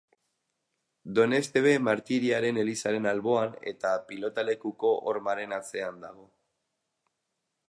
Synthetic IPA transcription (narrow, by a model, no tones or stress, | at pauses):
d̪o̞ne̞st̪e̞β̞e̞maɾt̪iɾiaɾe̞ne̞lisaɾe̞nalβo̞ane̞̰t̪apilo̞t̪ale̞kuko̞ʔoɾmaɾe̞nat͡se̞and̪aɣ̞o̞